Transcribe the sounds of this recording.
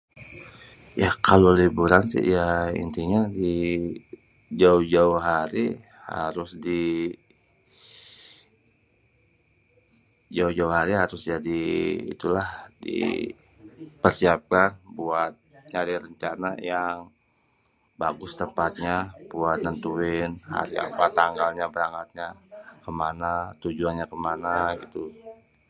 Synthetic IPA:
jakalolibuɾansɪ̰jaḭnt̪iɲadi | d͡ʒaʊhd͡ʒauɦaɾi | ha̰ɾʊsdi | d͡ʒauhd͡ʒauɦaɾiɦaɾʊsd͡ʒadḭːt̪ulahdḭ | pərsiap̚kanbuat̪̚ɲadiɾəɲt͡ʃana̰jaŋ | baɡʊst̪əmpat̪̚ɲabuat̪̚nənt̪uɪnha̰ɾia̰pat̪aŋɡalɲabəɾaŋat̪̚ɲakəmanat̪ud͡ʒuanɲakəmanaɡit̪u

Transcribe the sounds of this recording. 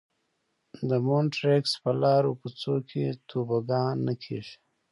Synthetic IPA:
d̪əmonʈɾekspəlɑːɾopət͡sokʰet̪ʰubaɡɑ̃ːnːəkʰḛʒ

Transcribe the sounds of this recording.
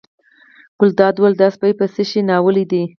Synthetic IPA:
ɡ̥ʊld̪ɑd̪wəld̪ɑspajpəsəʃinɑwəlid̪i

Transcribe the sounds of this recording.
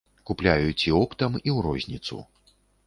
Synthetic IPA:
kuplʲajut͡sʲiɔpt̪ɐmiwɾɔzʲnʲit̪sṵ

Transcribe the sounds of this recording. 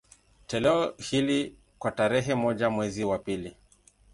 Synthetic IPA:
tɛlɛɔhili | kwataɾɛɦɛmɔʄamwɛziwapili

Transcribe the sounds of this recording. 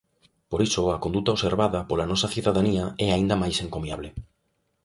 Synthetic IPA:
poɾisoɐkond̪ut̪aoseɾβaðɐpolanɔsɐθiuðaðaniaɛaind̪amajseŋkomiaβle

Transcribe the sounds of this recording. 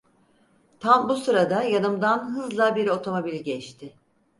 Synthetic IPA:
t̪ʰambusɯɾad̪ajanɯmd̪anɦɯzlˠabiɾo̞t̪ʰo̞mo̞bilʲɟɛt͡ʃt̪ʰɪ

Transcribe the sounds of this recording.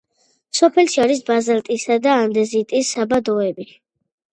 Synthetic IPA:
sɔpʰɛlʃiaɾis̬bazɛlt̪ʼisad̪aːnd̪ɛzit̪ʼisːabad̪ɔɛbi

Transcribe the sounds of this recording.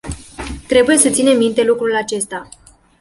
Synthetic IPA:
t̪ɾe̞buje̞sət̪sine̞mːint̪e̞lukɾulat͡ʃe̞st̪a

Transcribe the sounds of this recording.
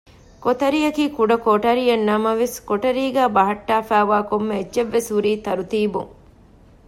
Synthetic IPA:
kot̪ɐɾijɐkiːkuɖɐkoʈɐɾijɐnːɐmɐʋeskoʈɐɾiːɡæːbɐɦɐʈːaːfæːʋaːkomːeed͡ʒʒeʋːesɦuɾiːt̪ɐɾut̪iːbṵŋ

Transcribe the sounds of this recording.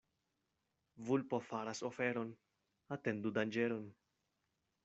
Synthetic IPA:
vulpofaɾasofeɾo̞n | at̪e̞nd̪ud̪and͡ʒeɾon

